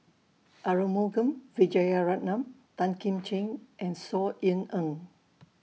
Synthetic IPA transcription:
ʔaɹəmoɡə̃mvid͡ʒajaɹat̚nãmt̪ãnkĩmt͡ʃẽnʔɛ̃nsɔinə̃n

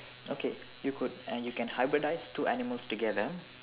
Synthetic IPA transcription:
ʔoːke | jukʊɖ̃juːkɛ̃nhaɪbɾəɖaɪstuːʔænɪməlsʈuɡɛd̪ə

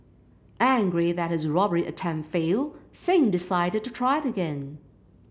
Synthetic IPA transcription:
ʔæ̃ŋɡɹiðɨt̚hɨzɹɑbə˞iʔɨtʰæ̃ɱfilˠsĩmdɨsaɪɾɨd̚tɨtʰɹ̥aɪɨɾɨɡɛ̃n

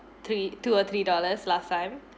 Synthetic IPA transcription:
t̪ʰɾituɔt̪ʰɾidɔləslastãɪ̃m

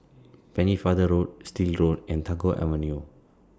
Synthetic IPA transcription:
pɛ̃nifadəɾot̚stilɾotɛ̃ntʰaɡoʔɛ̰vənio

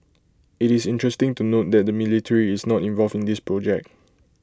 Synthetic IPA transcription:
itisɪ̃ntɹɛstɪ̃ŋtunot̚dɛt̚dəmilitʰəɹiːsnɔtĩnvɔlfĩndispɹɔd͡ʒɛk̚t̚

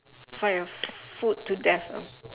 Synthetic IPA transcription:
fajɔfut̚tːudɛθɔ̰

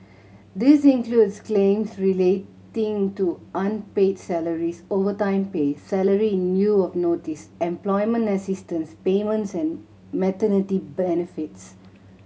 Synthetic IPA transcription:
d̪isĩnkludsklẽmsɹiletɪ̃ŋtuʔãnpedsɛləɹisovətãɪ̃mpesɛləɹinjuɔfnotisɛ̃mplɔɪmə̃ntəsistə̃nspemə̃ntsɛ̃n | mɛtənitibɛnifits

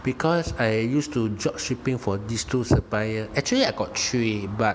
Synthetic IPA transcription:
b̥ikʰɔsajjustud͡ʒɔkʃipĩŋfɔdistusəpajəɛk̚t͡ʃuəliajɡɔt̚tɹibat̚

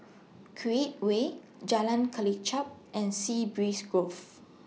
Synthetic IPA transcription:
kʰɹiet̚we | d͡ʒalãnkʰəlit͡ʃap̚ʔɛ̃nsibɹisɡɹof

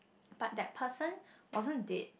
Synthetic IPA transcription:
b̥at̚dɛt̚pʰəsə̃nwʔɔzə̃ndɛd̚

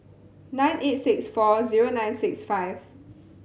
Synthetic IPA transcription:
nãj̃nʔet̚sɪksfɔziɹonãjnsɪksfaɪv

